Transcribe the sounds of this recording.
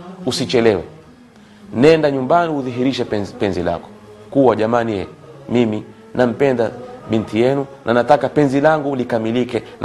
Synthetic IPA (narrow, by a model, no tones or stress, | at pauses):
usit͡ʃɛlɛwɛ̰ | nɛndaɲumbaniuðiɦiɾiʃɛpɛnzila̰kɔ̥ | kuwaʄamanijɛmimi | nam̩pɛndaɓintijɛnunʔanatakapɛnzilaŋɡulikamilikɛn